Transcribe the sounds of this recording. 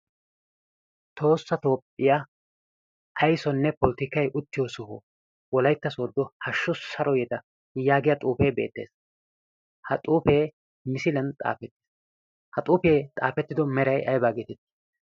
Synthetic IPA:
t̪ʰo̞ːsːɐt̪o̞ːpʼːɪja | ʔɐjsɔnːɛpɔlɪt̪ɪkːɐjʔʊt̪ːɪjosɔhɔ̰ | wɔlɐjt̪ːɐsoːd̪ːɔhɐʃːʊsɐɾɔjɛd̪ɐ | jaːɡɪjɐt̪ʼuːpeːbeːt̪ːeːs | hɐt̪ʼuːpeː | mɪsɪlɐnt̪ʼa̰ːfɛt̪ːɪ̥ | hɐt̪ʼuːpeːt̪ʼa̰ːfɛt̪ːɪd̪ɔmɛɾɐjɐjbaːɡeːt̪ɛt̪ːɪ̥

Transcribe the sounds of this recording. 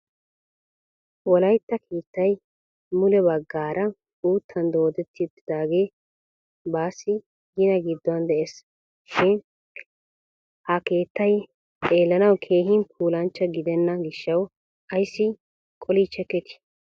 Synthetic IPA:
wɔlɐjt̪ːɐkʰeːt̪ːɐj | mʊlɛbɐɡːaːɾʔɐ | uːt̪ʰːɐnd̪o̞ːd̪ɛt̪ːɪʊt̪ːɪd̪aːɡe̞ː | baːsːɪ | ɡɪnɐɡɪd̪ːɔɐnd̪ɛʔes | ʃɪn | hɐke̞ːt̪ːɐj | t̪ʼe̞ːlːɐnɐwkʰe̞ːɦɪnpʰuːlɐnt͡ʃːɐɡɪd̪ɛnːɐɡɪʃːɐw | ɐjsːɪ | kʼɔlit͡ʃːɛkːɛt̪ɪ̥

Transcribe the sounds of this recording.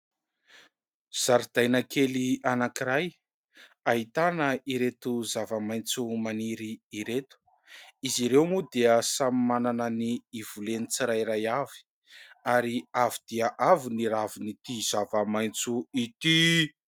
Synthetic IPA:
z̥aɾid̪̥ajnakʰelianakiɾaj | aɦit̪anəiɾet̪uzavəmaj̃nt͡sumaniɾiːɾet̪u̥ | iziɾewmud̪eəsamimananəniːv̥ulenit͡siɾajɾajavi̥ | aɾiavid̪̥eaʔaviniɾavinit̪iz̥avəmajnt͡suit̪i

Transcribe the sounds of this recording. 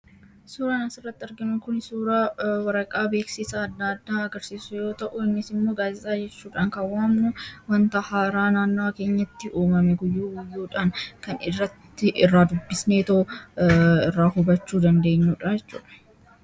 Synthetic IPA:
suːɾaːnɐsɪrːɐt̪ːɪɐɾɡɪnʊŋkʊnsuːɾaːwɐɾɐkʼaːbe̞ːksɪsaɐd̪ːad̪ːaːɐɡɐɾsiːsʊjo̞ːt̪ɐʔʊɪnːɪsɪmːo̞ːɡaːzɪt̪ʼaːd͡ʒɛt͡ʃːuːᶑaːŋkɐwaːmnʊwɐnt̪ɐhaːɾaːnaːnːoke̞ːɲːɐt̪ːɪʔuːmɐmɛɡʊjːuːɡʊjːuːᶑaːnkɐnɪrːɐt̪ːɪʔɪrːaːd̪ʊbːɪsneːt̪ɐʊ | ɪrːaːhʊbɐt͡ʃːuːd̪ɐnd̪e̞ːɲːuːᶑɐd͡ʒɛt͡ʃːṵːᶑɐ̥

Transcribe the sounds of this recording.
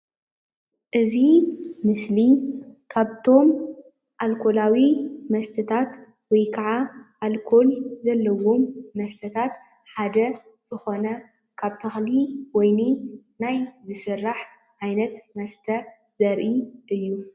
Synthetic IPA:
ʔɨzimɨslikʰaβt̪ʰo̞m | ʔalkʰo̞lawimɐst̪ʰɐt̪ʰat̪ | wɔjkʰaʕaʔalkʰo̞lzɐlːɐwo̞mːɐst̪ʰɐt̪ʰat̪ | ħad̪ɐ | z̥ɨxo̞nɐ | kʰaβt̪ʰɨxliwɔjninajzɨsɨrːaħ | ʕajnɐt̪mɐst̪ʰɐ | zɐɾʔiʔɨjːu

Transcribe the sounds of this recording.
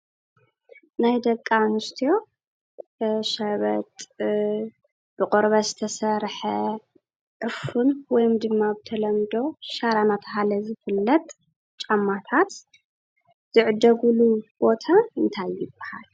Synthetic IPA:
najd̪ɐkʼːanɨst̪ʰijo̞ | ʃɐβɐt̪ʼ | b̥ɨqʼoɾβɐzɨt̪ʰɐsɐɾħɐ | ʕɨfunwɔjmd̪ɨmːabɨt̪ʰɐlɐmd̪o̞ʃaɾanat̪ʰɐɦalɐzɨfɨlːɐt̪ʼ | t͡ʃʼamːat̪ʰat̪ | z̥ɨʕɨd̪ɐɡulub̥o̞t̪ʰaɨnt̪ʰajːɪb̥ːaha̰l

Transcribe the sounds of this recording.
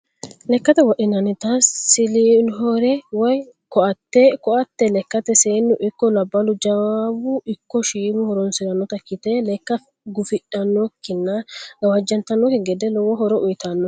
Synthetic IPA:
lɛkːɐt̪ɛwɔʔɪnɐnɪt̪ɐssɪlinɦɔɾɛwɔj | kɔʔɐt̪ːɛkɔʔɐt̪ːɛlɛkːɐt̪ɛseːnːʊʔɪkːɔlɐbːɐlʊd͡ʒɐwabʊʔɪkːɔʃiːmʊhɔɾɔnsɪɾɐnːɔt̪ɐkːɪt̪ɛlɛkːɐ | ɡʊfɪᶑɐnːɔkːɪnːɐɡɐwɐd͡ʒːɐnt̪ɐnːɔkɛɡɛd̪ɛlɔwɔɦɔɾɔʔʊjt̪anːɔ

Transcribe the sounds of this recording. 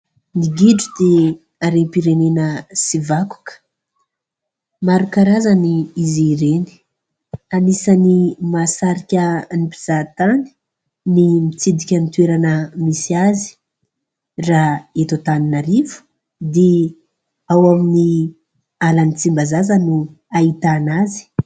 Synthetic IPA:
niɡiɖ͡ʐud̪e | aɾenpiɾenenəsivaku̥kə̥ | maɾukaɾazaniiziɾeni̥ | anisanimasaɾikʲənipi̥z̥at̪ani̥ | nimit͡sid̪ikʲənit̪weɾanəmisiazi̥ | raet̪ot̪aninaɾivu̥ | d̪e | awamini | alanit͡simbazazənu | ait̪anazi̥

